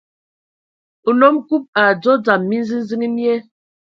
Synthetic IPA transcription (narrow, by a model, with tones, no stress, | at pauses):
u˨nɔ˦mku˦p̚a˨d͡zɔ˦d͡za˨mːi˦n̩˦zi˦n˦zi˦ŋi˦ni˦ɛ˦